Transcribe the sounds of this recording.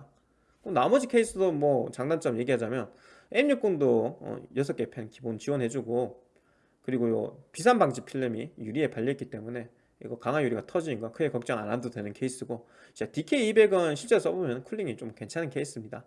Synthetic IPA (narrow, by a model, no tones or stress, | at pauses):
k͈onamʌd͡ʑikʰeis͈ʰɯdomwʌt͡ɕaŋdant͡ɕ͈ʌmje̞ɡiɦad͡ʑamjʌn | emɲuk͈ondoʌ̰jʌs̬ʰʌk͈e̞pʰennkibont͡ɕiwʌnɦe̞d͡ʑuɡo | kɯɾiɡojo̰pisʰanbaŋd͡ʑipʰiɭːemijuɾie̞paʎːiitk͈it͈e̞mune̞ | iɡʌkaŋɦajuɾiɡatʰʌd͡ʑininɡʌkʰɯɡe̞kʌk̚t͡ɕ͈aŋa̰nandodwe̞nɯnkʰe̞is͈ɯɡo | t͡ɕatikʰe̞iibe̞ɡʌnnɕʰiɭt͡ɕ͈es͈ʰʌbomjʌnɯnkʰuɭːiŋit͡ɕ͈omke̞nt͡ɕʰanɯnkʰe̞is͈ʰɯmɲida